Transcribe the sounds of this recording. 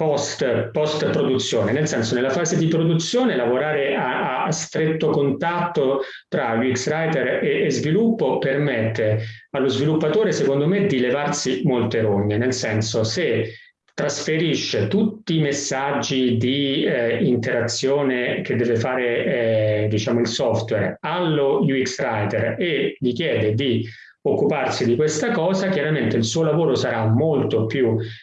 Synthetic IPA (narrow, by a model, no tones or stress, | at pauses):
pɔst̪pɔst̪pɾod̪ut̪sːjoːnenelsɛnsonelːafaːzed̪ipɾod̪ut̪sːjoːnelavoɾaːɾeʔaast̪ɾet̪ːokont̪at̪ːo | t̪ɾawiksɾajt̪ereːzvilupːopermɛt̪ːealːozvilupːat̪oːɾesekond̪omed̪ilevarsimolt̪eɾoɲːenelsɛnsose | t̪ːɾasfeɾiʃːet̪ut̪ːiːmesːad͡ʒːid̪i | int̪eɾat̪sːjoːnek̟ed̪ːɛːvefaːɾe | d̪it͡ʃaːmoilsɔft̪wɛralːojuiksɾajt̪ereʎik̟jɛːd̪ed̪i | okːuparsid̪ikwest̪akɔːzakjaɾament̪eilsuːolavoːɾosaɾamːolt̪opju